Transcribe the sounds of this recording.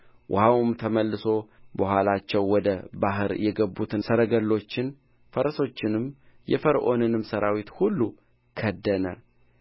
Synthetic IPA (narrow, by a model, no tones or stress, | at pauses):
wʔʊ̰hawmt̪ʰəməlːɨso̞bəhʷwalat͡ʃːɛwːɔd̪əbaɦɨɾjɛɡəbːut̪ʰɨsəɾəɡəlːo̞t͡ʃːɪn | fəɾəso̞t͡ʃːɪnɨm | jɛ̰fəɾʔo̞̰nɨnɨmːsəɾʔawit̪hulːu | kʰəd̪ːənə̰